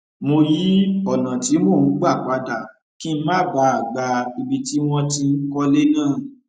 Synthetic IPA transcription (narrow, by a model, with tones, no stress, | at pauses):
mo˧ji˨˦ɔ˦˨nã˨ti˨˦mo˦˨˦ɡ͡ba˦˨k͡pa˨˦ta˦˨ | kĩ˦n̩˦mã˦˨ba˧˦a˨ɡ͡ba˧i˧bi˧ti˦w̃ɔ̃˧tĩ˧n̩˦kɔ˦le˦nãː˦˨